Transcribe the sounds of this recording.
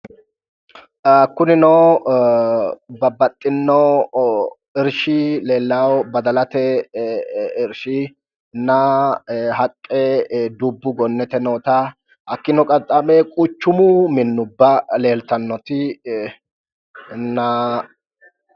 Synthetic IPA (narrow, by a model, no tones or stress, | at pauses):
kːʊnɪnɔw | bɐbːɐt̪ʼːɪnːɔ | ɪɾʃɪle̞ːlːaːwbɐd̪ɐlɐt̪ɛ | ɪɾʃɪ | nɐ | ɦɐkʼːɛd̪ubːʊɡɔnːɛt̪ɛnoːt̪ɐ | hɐkːɪnɔkʼɐt̪ʼːɐmɛkʼʊt͡ʃːʊmʊmɪnːʊbːɐle̞ːlt̪ɐnːɔt̪ɪ | nɐ